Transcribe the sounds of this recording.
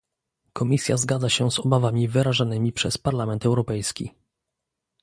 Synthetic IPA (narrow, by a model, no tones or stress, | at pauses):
kʰɔmʲisʲjazɡad̪zaɕɛzɔbavamʲivɘɾaʐanɘmʲipʂɛspaɾlamɛnt̪ɛwɾɔpɛjskʲḭ